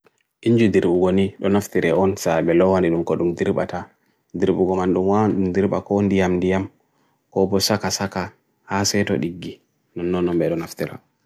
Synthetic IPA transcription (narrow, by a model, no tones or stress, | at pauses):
ʔiɲd͡ʒudiɾɓuɡoniɗɔnaftiɾɛʔɔnsabɛlɔwaniɗumkɔɗumdiɾɓa̰ta | diɾɓuɡɔmanɗumwaɗumdiɾɓa̰kɔndijamndijam | kɔbɔsakasaka | hasɛtɔ̰ɗiɡːi | nɔnːɔnːɔmbɛɗɔnaftiɾa̰